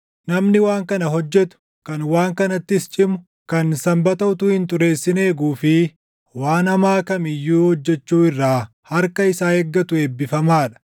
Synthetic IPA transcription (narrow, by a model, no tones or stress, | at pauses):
nɐmnɪwaːŋkɐnɐɦɔd͡ʒːɛt̪ʊ̥ | kɐnwaːŋkɐnɐt̪ːɪst͡ʃʼɪmʊ | kɐnsɐmbɐt̪ɐʊt̪ʊhɪnt̪ʼʊɾe̞ːsːɪne̞ːɡuːfɪ | waːnɐmaːkɐmɪjːuːhɔd͡ʒːɛt͡ʃːuːɪrːaː | hɐɾkɐɪsaːhɛɡːɐt̪ʊe̞ːbːɪfɐmaːᶑɐ̥